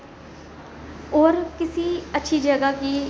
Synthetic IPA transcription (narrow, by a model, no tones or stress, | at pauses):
oːɾkɪsiːətːʃʰiːd͡ʒəɡakiː